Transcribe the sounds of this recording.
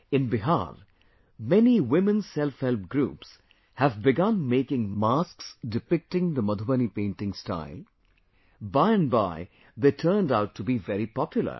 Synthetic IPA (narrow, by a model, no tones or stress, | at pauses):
ɪ̃nbɪɦa̰ɾ | mɛniwɪmə̃nsɛlfhɛlp̚ɡɾṵːps | hævbɪɡʌ̃nmeːkɪ̃ŋmasksdɪpɪk̚tɪ̃ŋd̪əmʌd̪ʱʊbənipẽɪ̃ntɪ̃ŋsta̰ɪlˠ | baɪɨ̃nba̰ɪ | d̪eːtʰəːndaʊtʰːubivɛɾipɔpʰjʊlˠə̰